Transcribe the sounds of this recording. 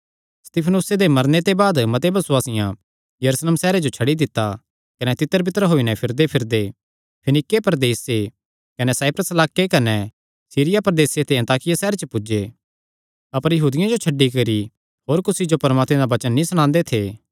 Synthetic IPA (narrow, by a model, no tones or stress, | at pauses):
st̪iːpʰənuːsed̪emɐɾnet̪ebaːd̪mɐt̪ebɐsʊwaːsɪjã | jɐɾuːslemsɛːɾed͡ʒot͡ʃʰɐɽid̪ɪt̪ːa | kɐnɛt̪ɪt̪ːəɾbɪt̪ːəɾɦoːinɛpʰɪɾd̪epʰɪɾd̪e | pʰɐnɪkːepɐɾd̪eːsːe | kɐnɛsaːpɾəsɐlaːkekɐnɛ | siːɾɪjapɐɾɐd̪eːset̪eɐ̃nt̪aːkɪjasɛːɾet͡ʃəpʊd͡ʒe | ɐpəɾjɐɦuːd̪ɪjãd͡ʒot͡ʃʰɐɖːikɐɾi | hoːɾkʊsid͡ʒopɐɾmaːt̪mẽd̪abɐt͡ʃənːĩsɽ̃ãːnd̪et̪ʰeː